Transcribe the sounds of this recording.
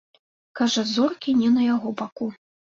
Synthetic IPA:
kaʐɐzɔrkʲinʲɛnɐjaɣɔbaku

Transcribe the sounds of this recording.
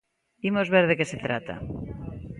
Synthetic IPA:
imozβeɾð̞ekeset̪ɾat̪a̰

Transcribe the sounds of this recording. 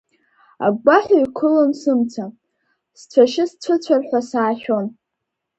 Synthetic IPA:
a̰ɡ͡bʷaħʷaikʷʰʊlonsɨmt͡sʰa | st͡sʷʰaʃɪst͡sʷʰʊt͡sʷʰarħʷasaːʃʲᶣon

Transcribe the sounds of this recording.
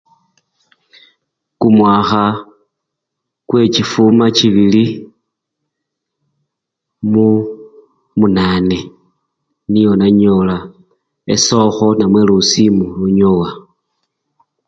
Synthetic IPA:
kumwaxa | kwe̞cifumaciβili | mu | munane̞ | nijo̞naɲola | ḛso̞xo̞namwe̞lusimuluɲowa

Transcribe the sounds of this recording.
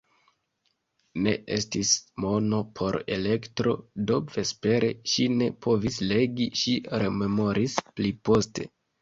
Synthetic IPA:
ne̞̰ʔe̞stismo̞no̞pʰo̞ɾe̞̰le̞ktɾo̞̰do̞ve̞spe̞ɾeʃine̞pʰo̞visle̞ɡiʃiɾe̞me̞mo̞ɾʔisplipo̞ste̞̰

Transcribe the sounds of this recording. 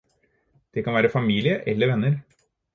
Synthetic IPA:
d̪̥ɛkʰɑnʋæːɾəfɑmiːlɪəʔɛlːəɾʋɛnːəɾ

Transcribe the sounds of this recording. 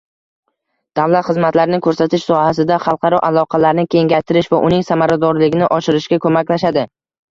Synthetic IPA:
d̪̥awlat̪χɨzmat̪laɾnɪŋʲkʰɵɾsat̪ʰɪʃsɒhasɪd̪aχɑlˠqɑɾɒʔalˠɒqʰɑlaɾnɪkʲʰe̞ŋɡʲajt̪ʰɪɾɪʃvaʔʊnɪŋsamaɾad̪ɒɾlɪɡʲɪnɪʔɒʃɪɾɪʃkʲakʰɵmakʲlaʃad̪ɪ

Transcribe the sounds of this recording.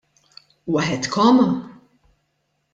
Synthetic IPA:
wɐħɛt̪kʰɔmɐ

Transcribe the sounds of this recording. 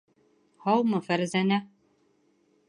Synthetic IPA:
hɑwmɤfæɾzænæ

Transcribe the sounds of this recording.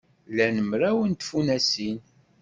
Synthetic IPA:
lænəmɾæwənt̪funæsin

